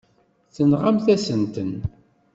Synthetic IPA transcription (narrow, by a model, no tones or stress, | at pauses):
θənʁamθæsənt̪ən